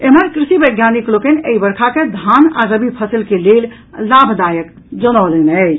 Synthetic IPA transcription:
eməɾkɾisibəɡʱjaniklokənəibəɾkʰaked̪ʱana̰ɾəbipʰəsilkelel | labʱd̪ajək | d͡ʒənəʊlenət͡ʃʰ

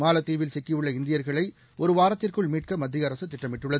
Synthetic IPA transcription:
maːlɐt̪ːiːʋɪlsɛkːiɯɭːɐɪnd̪ɪjɐɾɣɐɭɐɪ | ɔɾɯʋaːɾɐt̪ːɪrkɯɭmiːʈ̚kɐmɐd̪ːɪjɐɾɐsɯt̪ːɪʈːɐmɪʈːɯɭːɐðɯ

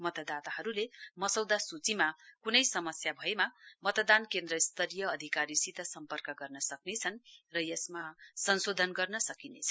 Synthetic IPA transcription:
mʌt̪ʌd̪at̪aɦʌɾulemʌsʌwd̪asut͡simakunʌjsʌmʌsjabʱʌemamʌt̪ʌd̪ankend̪rʌst̪ʌɾijʌːd̪ʱikaɾisit̪ʌsʌmpʌrkʌɡʌrnʌsʌknet͡sʰʌnrʌjʌsmasʌnsod̪ʱʌnɡʌrnʌsʌkinet͡sʰʌ̥

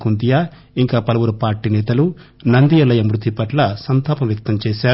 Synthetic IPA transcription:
kund̪ijaː | iŋkaːpɐlɐʋuɾupaːɾʈːinɛːt̪ɐlu | nɐnd̪ijɐlɐjɐmɾut̪ipɐʈlɐsɐnt̪aːpɐmjɐk̚t̪ɐmt͡ʃɛːʃaː

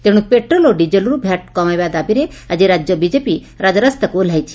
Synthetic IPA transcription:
t̪eɽ̃upeʈɾɔloɖid͡ʑəlɾubʱjaʈ̚kɔmajʋad̪abiɾe | ad͡ʑiɾad͡ʑjɔbid͡ʑepi | ɾad͡zɾast̪əkol̤ajt͡ʃʰi̥

